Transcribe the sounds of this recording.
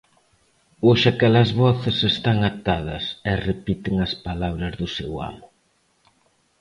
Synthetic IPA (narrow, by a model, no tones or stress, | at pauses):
oʃakɛlɐzβɔθesest̪aŋat̪aðɐsɛrepit̪ɪŋɐspalaβɾɐzðʊsewa̰mʊ